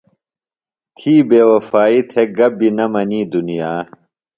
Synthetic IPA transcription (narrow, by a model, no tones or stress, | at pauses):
t̪ʰiːbeːwɐfaːit̪ʰeɡɐbinɐmɐniːd̪unijaː